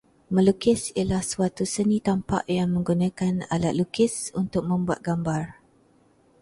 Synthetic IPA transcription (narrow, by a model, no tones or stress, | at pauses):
mə̃lukɪsilahsuat̪usənĩt̪ampa̰ʔjaŋmə̃ŋɡunãkana̰lat̪̚lukɪsunt̪ʊk̚mə̃mbuat̪̚ɡ̥ambar